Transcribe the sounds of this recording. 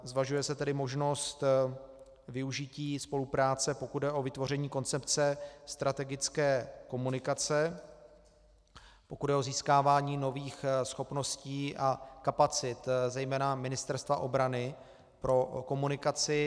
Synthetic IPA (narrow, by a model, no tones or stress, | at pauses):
zvaʒujɛsɛt̪ɛdɪmo̞ʒno̞st̪ | vɪuʒɪciːspo̞lupɾaːt͡sɛpo̞kud̪dɛʔo̞vɪt̪vo̞r̝ɛɲiːko̞nt͡sɛpt͡sɛst̪ɾʔat̪ɛɡɪt͡skɛːko̞munɪkat͡sɛ | po̞kud̪ɛo̞ziːskaːvaːɲiːno̞viːxsxo̞pno̞sciːʔakapat͡sɪt̪zɛjmɛːnamɪnɪst̪ɛɾst̪va̰ʔo̞bɾanɪ | pɾo̞ko̞munɪkat͡sɪ